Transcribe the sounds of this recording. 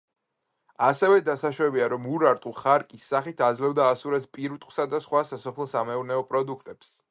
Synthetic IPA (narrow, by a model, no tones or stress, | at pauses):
asɛvɛd̪asaʃɾɛbiaɾɔmuɾaɾt̪ʼuχaɾkʼisːaχit̪ʰad̪zlɛvd̪aːsuɾɛspʼiɾut̪ʼqʼχʼsad̪asχwasasɔpʰlˠɔsamɛuɾnɛɔpʼɾɔd̪ukʰt̪ʼɛps